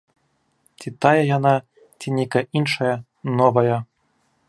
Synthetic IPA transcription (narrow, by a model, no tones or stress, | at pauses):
t͡sʲit̪ajɐjana | t͡sʲinʲɛkɐʔinʂɐjɐ | nɔvɐjɐ